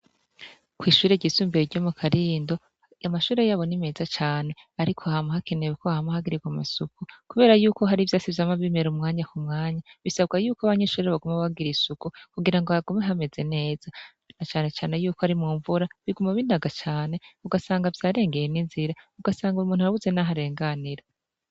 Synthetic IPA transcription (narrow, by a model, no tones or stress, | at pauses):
kwiːʃuːɾeɟisuːmbeɾiɾɟo̞mukʰaɾiːndo̞ | amaʃuːɾe̞jaːβo̞nime̞zat͡ʃaːne̞ | aɾikʰoahamahakʰenewekoahamahaɡiɾiɡwamasukukuβe̞ːɾajuːko̞ɦaɾivjaːsivjamaβime̞ɾumŋaːɲakumŋaːɲaβisaβɡajuːkoaβaɲeʃuːɾeeβaɡumaβaɡiɾisukukuɡiɾaŋɡohaɡumeɦame̞ze̞ne̞ːz̥a | nat͡ʃaːne̞t͡ʃaːne̞juːkoaɾimuːɱvuɾaβiɡumaβindaɡat͡ʃaːne̞uɡasaːŋɡavjaːɾe̞ːŋɡe̞jeninziɾauɡasaːŋɡuumuːn̥uhaɾaβuze̞naɦaɾe̞ːŋɡaniɾa